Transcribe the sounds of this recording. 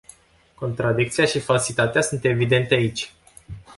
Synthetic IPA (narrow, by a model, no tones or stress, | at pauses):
ko̞nt̪ɾad̪ik̚t̪sijaʃifalsit̪at̪easunt̪e̞vid̪e̞nt̪eait͡ʃʲ